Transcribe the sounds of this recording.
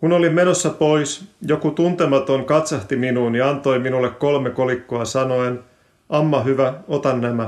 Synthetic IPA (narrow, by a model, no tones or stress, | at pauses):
kuno̞lime̞no̞sːɑpo̞jsjo̞kut̪unt̪e̞mɑt̪o̞ŋkɑt̪sɑht̪iminuːniɑnt̪o̞jminulːekkːo̞lmeko̞likːoɑsɑno̞en | ʔɑmːɑɦyʋæot̪ɑnːæmæ